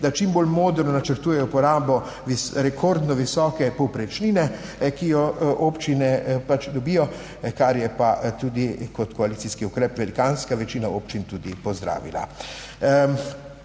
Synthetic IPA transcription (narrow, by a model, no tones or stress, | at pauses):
d̪at͡ʃimboːlmoːd̪ɾnɔnat͡ʃəɾt̪uːjɛjɔpɔɾaːbɔ | ʋisɾɛkʰoɾd̪nɔʋisɔːkɛpɔwpɾɛt͡ʃniːnɛkijɔʔoːpt͡ʃinɛpat͡ʃd̪ɔbijɔ | kaɾjɛpat̪uːd̪ikɔt̪kɔaliːsiskiukɾɛːpʋɛlikaːnskaʋɛt͡ʃiːnaoːpt͡ʃint̪uːd̪ipɔzd̪ɾa̰ːʋḭla̰